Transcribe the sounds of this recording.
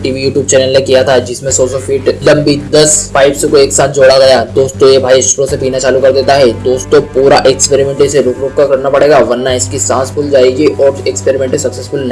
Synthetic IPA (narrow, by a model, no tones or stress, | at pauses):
ʈiːʋijuːʈjuːb̚t͡ʃɛːnəlnekijat̪ʰad͡ʒɪsmẽsɔːsɔfʰiːʈlɐ̃mbid̪ɐsfaːɪbsekoeːksaːt̪̚ʰd͡ʒoːɽaɡɐjaːd̪oːst̪õebʱaːiʃʊʃɾõsepiːnat͡ʃaːlukɐɾd̪eːt̪aɦɛd̪oːst̪õpuːɾaʔekspeːɾimɛ̃ːɳʈeseɾoːkɾʊːkkakɐɾnapɐɽeːɡaːʋɐɾnaɪskisãːspʰʊld͡ʒaːeɡiʔɔːɾekspeːɾimɛ̃ːɳʈesɐksesfʊlnɐ̃ɦ